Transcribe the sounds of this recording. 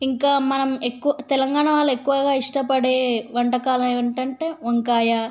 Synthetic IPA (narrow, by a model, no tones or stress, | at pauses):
iŋkaːmɐnɐmekːuʋɐt̪ɛlɐŋɡaːɳɐʋaːlːɐekːuʋɐɡaːiʂʈɐpɐɽeːʋɐɳʈɐkaːlɐmeːʋɐɳʈɐɳʈe̞ːɐŋkaːjaː